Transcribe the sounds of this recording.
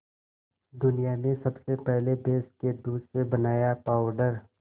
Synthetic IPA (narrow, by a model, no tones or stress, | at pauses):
d̪ʊnijanesɐbsepɛɦlebeːsked̪uːd̪sebɐnaːjapaːʊɖəɾ